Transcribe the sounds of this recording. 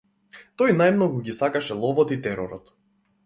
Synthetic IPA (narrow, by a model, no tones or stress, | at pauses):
t̪ɔjnajmnɔɡuɡisakaʃɛlˠɔvɔt̪it̪ɛɾɔɾɔt̪